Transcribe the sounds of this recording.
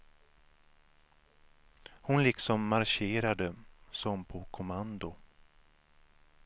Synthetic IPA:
hʊnlɪksɔmːaɾɕeːɾad̪əsɔmpʰɔkʰʊmand̪ʊ

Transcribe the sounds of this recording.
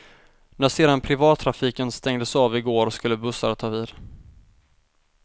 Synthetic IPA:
næʂeːd̪anpʰɾɪvɑːt̪ʰːɾafiːkənst̪ɛŋd̪əsɑːvɪɡoːɾɔskɵlːəbɵsːa̰ɾt̪ʰɑːviːd̪̥

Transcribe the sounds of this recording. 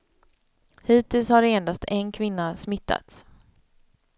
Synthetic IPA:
hiːt̪ɪlshaɾeːnd̪ast̪ʰɛnkʰvɪnːasmɪt̪ʰːa̰t̪s

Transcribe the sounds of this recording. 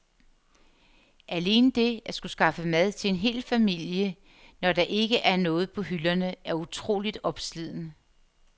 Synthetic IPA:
ʔæle̝ːnəd̥e̝æsɡ̥usɡ̥ɑ̈fəmæð̞ˠt͡sʰe̝e̝nɦe̝̰ːlfæmil̰jə | nɒdɑ̈ʔe̝ɡ̥əʔæɐnɔ̽ːð̞̩ˠpʰɒ̽ɦylɐnəæɐut͡sʰʁo̝̰ːlid̥ɒ̽b̥slið̰ˠn̩ə

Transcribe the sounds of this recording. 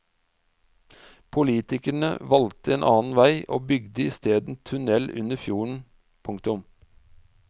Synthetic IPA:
pʰʊliːt̪ɪkæɳə̰ʋɑlt̪əeːnʔɑːn̩ʋæɪʔo̰ːbʏɡd̪əiːst̪eːd̪n̩t̪ʰʉnɛlʔʉ̰nəfjuːɳ̩ | pʰʊŋkt̪ʊm

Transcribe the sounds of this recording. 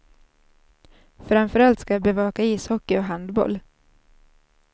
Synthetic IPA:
fɾamfœɾalt̪skajaːbɛvɑːkaiːshɔkːɪɔɦand̪bɔ̰l

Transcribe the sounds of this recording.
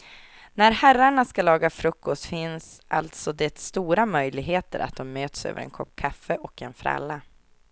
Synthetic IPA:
næɾhæɾːaɳaskalɑːɡafɾɵkːɔst̪fɪnsʔa̰lt̪sɔd̪ɛt̪st̪uːɾamœjlɪɡɦeːt̪ə̰ɾʔa̰t̪̚d̪ɔmːøːt̪sø̰ːvə̰ɾɛ̰nkʰɔpːkʰafːəʔɔkɛnfɾɛ̰lːa

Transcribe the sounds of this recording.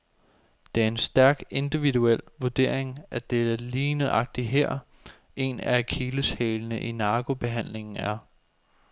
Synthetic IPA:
d̥eæɐe̝nsd̥æɐɡ̥e̝nd̥iʋiduel̰ʋud̥e̝̰ɐ̰eŋʔæd̥edliːnəɑ̈ɡ̥̚d̥iɦeɐ̰ | e̝nækʰiləsheːlənəʔinɑ̈ːɡ̥o̝b̥e̝ɦæn̰le̝ŋn̩æɐ

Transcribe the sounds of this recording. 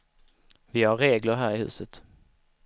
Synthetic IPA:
vɪhaɾːeːɡlʊɾɦæːɾɪhʉ̟̰ːsət̪

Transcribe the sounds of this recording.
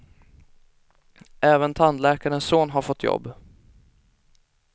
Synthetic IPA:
ʔɛːvənt̪ʰand̪lɛːkaɾənssoːnɦaɾfɔt̪ʰːjɔ̰bː

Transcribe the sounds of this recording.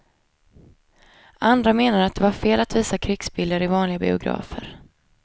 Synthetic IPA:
ʔand̪ɾameːnaɾəat̪̚d̪ɛvaɾfeːlat̪viːsakʰɾʏksbɪld̪əɾɪvɑːnlɪɡabɪ̰ʊɡɾɑ̰ːfəɾ

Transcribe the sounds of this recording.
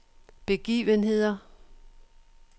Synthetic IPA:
b̥e̝ɡ̥ḭːʋənɦe̝ð̰ˠɐ

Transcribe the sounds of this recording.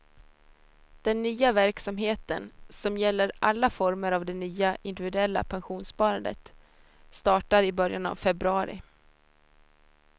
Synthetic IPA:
d̪̥ɛnːyːavæɾksamɦeːt̪ənsɔmjɛlːəɾʔalːafɔɾməɾavd̪ɛnyːaʔɪnd̪ɪvɪd̪ɵɛlːa̰pʰanɧuːnspɑːɾand̪ə̰t̪ | st̪ɑːʈaɾɪbœɾjana̰vfɛbɾɵɑːɾɪ̰

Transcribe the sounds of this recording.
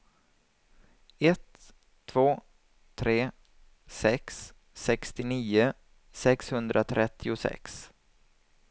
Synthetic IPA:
ɛt̪ʰː | v̥oː | t̪ʰɾeː | sɛksː | ɛkst̪ɪniːʊ | sɛkshɵnd̪ɾʔat̪ʰɾɛt̪ʰːɪʊsɛ̰ks

